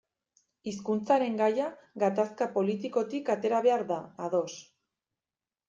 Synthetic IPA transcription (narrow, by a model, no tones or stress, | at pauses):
iskunt͡saɾe̞ŋɡajaɡat̪askapo̞lit̪iko̞t̪ikat̪e̞ɾaβ̞e̞aɾðaaðo̞s